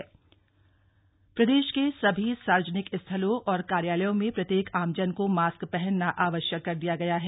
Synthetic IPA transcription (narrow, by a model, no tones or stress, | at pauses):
pɾɐd̪eːʃkesɐbʱisaːɾəd͡ʒənɪkɪst̪ʰəlõʔɔːɾkaːɾjaːləjõmẽpɾɐt̪jeːkʰaːmd͡ʒənkomaːskpɛɦɛnːaʔaːʋəʃjəkːɐɾd̪ijaɡɐjaɦɛː